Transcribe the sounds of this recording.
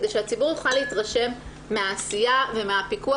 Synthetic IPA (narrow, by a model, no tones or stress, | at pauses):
deʃeat͡sibuʁjuχaleitʁaʃe̞mː | eaːsijave̞meapiku